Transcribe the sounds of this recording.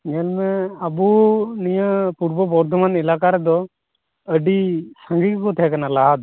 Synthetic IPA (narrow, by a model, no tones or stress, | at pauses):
ɲɛlmɛabunijəpuɾbəbɔɾd̪ʱɔmanɛlakaɾɛd̪ɔ | əɖisaŋɡikkɔt̪ʰɛkanalaɦad̪